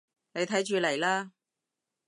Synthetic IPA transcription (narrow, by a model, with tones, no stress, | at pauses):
ne˨˧jt̪ʰɐ˨˥jt͡ʃyː˨˧lɐ˨˩jlaː˥